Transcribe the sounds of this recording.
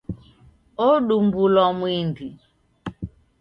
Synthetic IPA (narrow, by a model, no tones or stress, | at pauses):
ɔɗumbulɔmwindi